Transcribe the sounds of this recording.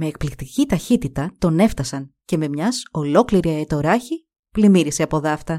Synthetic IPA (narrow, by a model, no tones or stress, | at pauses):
me̞ːk̚plikt̪icit̪ɐçit̪it̪ɐt̪o̞ne̞ft̪ɐsɐnce̞me̞mɲɐso̞lo̞kliɾiɐet̪o̞ɾɐçi | plimiɾiseɐpo̞ðɐft̪ɐ